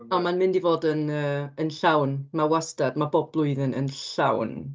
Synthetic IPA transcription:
amanmɪndivoːdənəːənɬawnmawastadmabɔblˠʊɨðɪnə̰nɬa̰wn

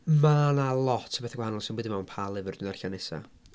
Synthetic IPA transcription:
manalˠɔtʰə̥bɛθaɡwahanɔlˠsɪnmwɛdimawnpʰaːlˠɪvərdɪnarɬanɛsa̰

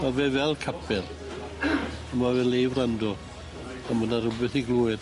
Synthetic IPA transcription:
mavɛvɛlˠkʰapʰɛl | əmavɛlejvrandɔ | amənarʊbɛθiɡlˠuːɪd

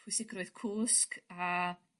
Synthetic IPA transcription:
pʰwɪsɪɡrɔɨð̥kʰuːska

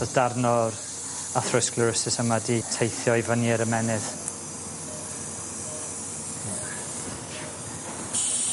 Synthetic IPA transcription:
ɔðd̥arnɔr | aθrɪsklɪɾəsɪsəmaditʰejθjɔivaniːɾəmɛnɨð̥

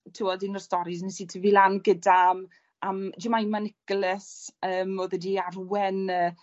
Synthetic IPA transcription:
tʰiwɔdɪnɔrstɔɾiznɛsitʰəvilanɡədam | amd͡ʒɪmajmanɪɡ̥lɛsəːmɔðədiarwɛnəː

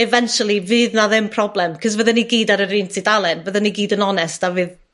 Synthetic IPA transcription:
ɛvɛnʃəlˠivɨːðnaðɪmpʰrɔblɛmkʰɔzvəðɛniɡiːdaɾəɾiːntʰidalˠɛnvəðəniɡiːdənɔnɛsd̥avɨːð

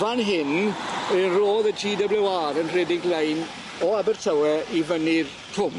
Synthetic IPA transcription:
vanɦɪnənroːðətʰiːdəblɛwaːɾənr̥eːdɪŋɡlejn | ɔabərtʰəwɛʔivənɪr | tʰʊm

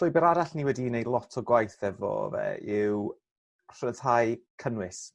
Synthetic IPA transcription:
d̥ɔjbəɾaɾaɬniwɛdinejlˠɔtʰɔɡwajθɛvɔ̰vɛ̰ɪw | r̥ətʰajkʰənwɪs

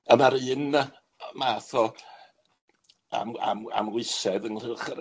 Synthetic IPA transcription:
əmaɾɨːn | maːθɔ | a̰ma̰ma̰mlɪsɛðənlɪlˠχəɾ

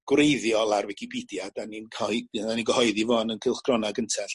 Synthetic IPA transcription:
ɡ̥wrejðjɔlˠarvɪkʰibidjadaninkʰɔaniŋɡəhɔɨðivɔnənkʰɪlˠχɡ̥rɔnaɡəntʰɛɬ

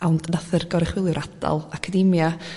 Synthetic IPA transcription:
awndnaθərɡɔɾɪχwɪlˠjɪʊɾʔad̥a̰lˠakʰadɪmja

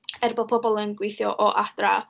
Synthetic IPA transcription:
ɛrbɔd̚pʰɔbɔlˠənɡwɪjθjɔʔɔʔad̥ra̰

